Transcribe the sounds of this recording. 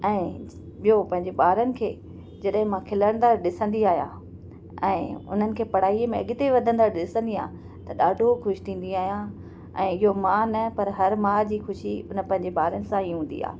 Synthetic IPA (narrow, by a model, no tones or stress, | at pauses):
ɛ̃ː | ɓijopɐ̃ɦɪ̃ɲd͡ʑeɓaːɾənɪ̆kʰeː | d͡ʑɐɗɦɪ̃mãkʰɪləɽ̃nd̪aɗɪsə̃nd̪iaːɦjã̰ː | ɛ̃ːʊ̰n̤ənɪ̆kʰeːpɐɽ̤aːimẽɐ̰ɠɪt̪eʋɐd̪ʱə̃nd̪aːɗɪsə̃nd̪ia̰ː | t̪ɐɗaːɖʱoxʊʃi̥t̪ʰĩːn̆d̪iaːɦijã | ɛ̃ːɪɦomãnɐpɐɾɦɐɾmaːd͡ʑiːxʊʃiʊnə̆pɐ̃ɦɪ̃ɲd͡ʑeɓaːɾənɪ̆sãiːɦũːn̆d̪ḭa̰ː